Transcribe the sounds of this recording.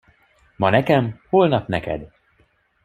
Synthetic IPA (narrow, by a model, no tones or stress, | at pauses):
mɒnɛkɛmhoːlnɒpnɛkɛ̰d̪